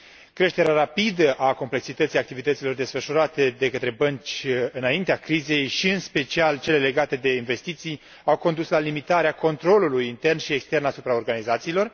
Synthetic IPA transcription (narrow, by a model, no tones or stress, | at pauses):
kɾe̞ʃt̪e̞ɾeaɾapid̪əʔako̞mple̞ksit̪ət̪sijak̚t̪ivit̪ət̪silo̞rd̪e̞sfəʃuɾat̪e̞d̪e̞kət̪ɾe̞bənt͡ʃʲɨnaint̪eakɾize̞jʃiɨnspe̞t͡ʃialt͡ʃe̞le̞le̞ɡat̪e̞d̪e̞inve̞st̪it̪sij | awko̞nd̪uslalimit̪aɾeako̞nt̪ɾo̞lulujint̪e̞rnʃie̞kst̪e̞rnasupɾao̞rɡanizat̪siːlo̞r